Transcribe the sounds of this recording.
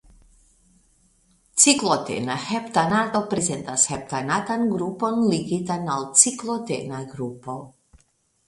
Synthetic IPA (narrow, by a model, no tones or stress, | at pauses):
t͡siklot̪ḛnahept̪anat̪opɾezent̪ashep̚t̪anat̪anɡɾupo̞nliɡit̪analt͡siklot̪ḛnaɡɾupo